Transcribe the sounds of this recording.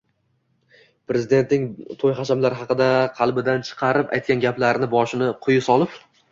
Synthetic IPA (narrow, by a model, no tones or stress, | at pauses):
pɾezɪd̪e̞nt̪nɪŋt̪ʰojχɑʃamlaɾhɑqɨd̪aqʰɑlˠbɪd̪ant͡ʃʰɨ̥qʰɑɾɪpa̰jt̪̚kʲanɡʲaplaɾnɪbɒʃɪnɪqʰʊjɪsɒlˠɪp